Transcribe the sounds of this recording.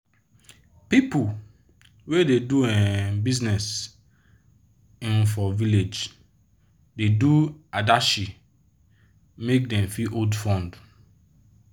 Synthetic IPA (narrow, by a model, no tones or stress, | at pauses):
pipu | wededuɛbiznɛs | ĩnfɔviled͡ʒ | deduadaʃi | mek̚dɛ̃mfiʔodfɔ̃nd